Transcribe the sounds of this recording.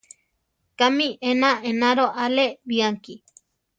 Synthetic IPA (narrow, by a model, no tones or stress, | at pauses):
kamiʔenãʔenaɾoʔaleβiaŋki